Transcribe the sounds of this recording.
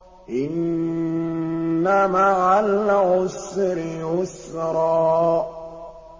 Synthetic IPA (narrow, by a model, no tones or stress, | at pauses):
ʔɪn | amaʕalʕʊsɾɪʕʊsɾˤɑː